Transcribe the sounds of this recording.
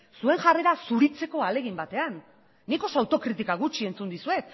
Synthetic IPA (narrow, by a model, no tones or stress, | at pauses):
sue̞ŋʝareɾasuɾit͡se̞ko̞ale̞ɣ̞imbat̪e̞anː | iko̞soawt̪o̞kɾit̪ikaɣ̞ut͡ʃie̞nt͡sund̪isue̞t̪